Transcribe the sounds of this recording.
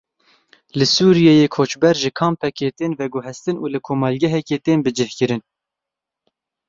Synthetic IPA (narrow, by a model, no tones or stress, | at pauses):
lɨsuːɾijejeːkʰoːt͡ʃbɛɾʒɪkʰɑːmpʰɛkeːt̪eːnvɛɡʊɦɛst̪ɨnuːlɨkʰoːmɑlɡʲɛɦɛkeːt̪eːnbɨd͡ʒɪhkɨɾɨn